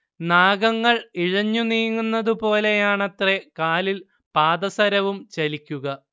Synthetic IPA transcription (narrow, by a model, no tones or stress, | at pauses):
naːɡɐŋːɐɭiɻɐɲːuniːŋːunːɐðupo̞ːle̞jaːɳɐt̪re̞kaːlil | paːdɐsɐɾɐʋumt͡ɕɐlikʲːuɣɐ